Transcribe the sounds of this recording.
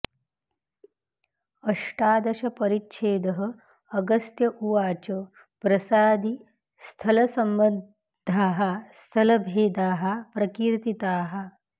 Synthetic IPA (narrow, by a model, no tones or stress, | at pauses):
ɐʂʈaːd̪ɐʃɐpɐɾit̪ːʃʰeːd̪ɐɦɐ̆ː | ɡɐst̪jɐʔuʋaːt͡ʃɐ | pɾɐsaːd̪i | st̪ʰɐlɐsɐmbɐ | d̪ʱːaːɦɐ̆st̪ʰɐlɐbʱeːd̪aːɦɐ̆pɾɐkiːɾt̪it̪aːɦɐ̆